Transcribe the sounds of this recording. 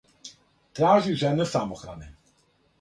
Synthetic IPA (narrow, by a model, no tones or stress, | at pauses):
t̪ɾaːʒiʐɛnɛsamɔxɾa̰nɪ